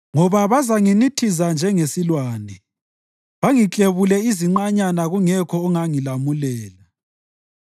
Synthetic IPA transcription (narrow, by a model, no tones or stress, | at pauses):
ŋɔβaβazaŋinitʰizand͡ʒʱɛŋesilwaːnɛ | βaŋit͡ɬʼeβulɛiziŋ͡ǃaɲanaɣuŋɛkʰɔːŋaŋilamulɛːla